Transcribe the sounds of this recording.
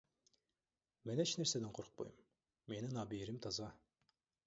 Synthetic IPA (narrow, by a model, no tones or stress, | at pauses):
mɛnet͡ʃʰneɾsed̪ɪnqʰoɾʰʊ̥q̚bo̰jumː | enɪnɑːbiɾɪmt̪ʰɑzɑ